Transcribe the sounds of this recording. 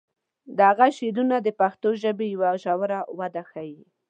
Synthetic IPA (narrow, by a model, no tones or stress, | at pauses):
d̪əhaɣaʃelunad̪əpaxt̪oʒəbejawaʒawɾawad̪axaji